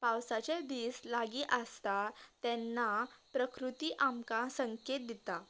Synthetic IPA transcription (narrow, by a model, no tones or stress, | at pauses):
pawsat͡ɕed̪iːslaɡiːʔəst̪at̪ɛnːapɾəkɾut̪iːʔamkasəŋket̪̚d̪it̪a